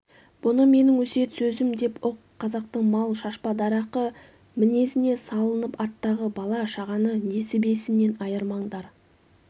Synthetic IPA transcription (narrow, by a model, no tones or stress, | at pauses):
b̥ʊnəme̞nɪŋwɵse̞t̪sɵzɪmd̪e̞poqqʰːɑzɑqt̪əɴmɑlˠʃɑʃpɑd̪ɑɾɑqə | mɪne̞sɪne̞sɑlˠənəpɑɾt̪ːɑʁəbɑlˠɑʃɑʁɑnəne̞sɪbe̞sɪnːe̞nɑjəɾmɑɴd̪ɑɾ